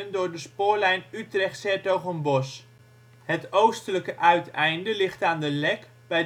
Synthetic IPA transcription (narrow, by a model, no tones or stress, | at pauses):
əndʊːɹdəspʊːɹlɛjnytrɛχtsɛɹtowχənbɔs | hətowstələkəʔœɥtɛjndəlɪχtaːndəlɛk | bɛj